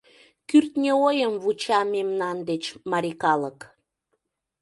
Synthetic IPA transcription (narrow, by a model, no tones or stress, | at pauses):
kyrt̪nʲeojəmvut͡ɕɑmemnɑnd̪et͡ɕmɑɾikɑlək